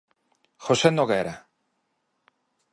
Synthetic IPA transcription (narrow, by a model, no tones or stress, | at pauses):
xosenoɣeɾa